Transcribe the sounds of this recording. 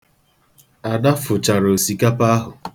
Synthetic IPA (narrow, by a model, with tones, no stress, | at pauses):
a˨da˦fʊ˨t͡ʃa˨ɾo˨si˨ka˦pa˦a˦ɦʊ˨